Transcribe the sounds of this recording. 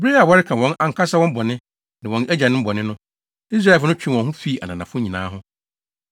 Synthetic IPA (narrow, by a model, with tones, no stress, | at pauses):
be˦a˨wɔ˦ɾɪ˦kʰã˨wɔ̃˦nã˨ŋ̩˨kʰa˦sa˦wɔ̃˦bɔ˨nɪ̃˦ | nã˨wɔ̃˨næ˦d͡ʑa˨nɪ̃˦m̩˦bɔ˨nɪ̃˦nʊ̃˦ | i˦s̬ɾa˦˨fʊ˦ʊ̃˦t͡ɕᶣĩ˦˨wɔ̃˨nɦʊ̃˦fi˦˨ʔa̰˨nã˨nã˨fʊ˦ɲĩ˨nã̰ː˦ɦʊ̃˦